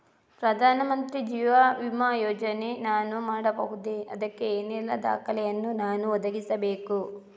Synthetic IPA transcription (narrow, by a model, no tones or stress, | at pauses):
pɾɐd̪ʱaːnɐmɐnt̪ɾid͡ʒiːʋaʋimaːjɔːd͡ʒɐnenaːnumaːɽɐbɐɦud̪eʔɐd̪ɐkːeeːnilːɐd̪a̰ːkɐlɛjɐnːunaːnuɔd̪ɐɡisɐbeːku